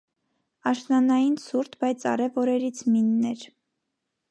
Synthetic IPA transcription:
ɑʃnɑnɑjinsuɾt̪ʰbɑjt͡sʰɑ̰ɾɛvɔɾɛɾit͡sʰminːɛɾ

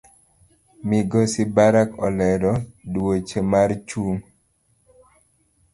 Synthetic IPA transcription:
miɡɔsibaɾakɔlɛdɔdwot͡ʃemart͡ʃuŋ

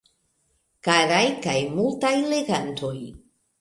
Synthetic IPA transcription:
kaɾajkajmultajle̞ɡantʰo̞j

